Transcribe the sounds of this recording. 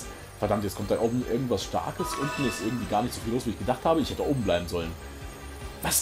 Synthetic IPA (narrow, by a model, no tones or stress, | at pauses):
fɛɐdamtjɛt͡skʰɔmtd̥anʔoːbm̩ʔɪɐɡŋ̩tv̥asʃta̰ɐkəsʊntmmiːɐɛstʔɪɐɡŋ̩tv̥iːɡaːɐnɪçtz̥ofiloːsv̥iːɪçɡ̥ədaχthaːbəɪçhɛtəʔoːbm̩blaɪbm̩zɔlən | vas